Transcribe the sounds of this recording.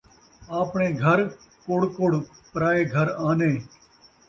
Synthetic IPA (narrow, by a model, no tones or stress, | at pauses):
aːpɳeːɡʱəɾ | koɽkoːɽpɾaːeːɡʱəɾaːneː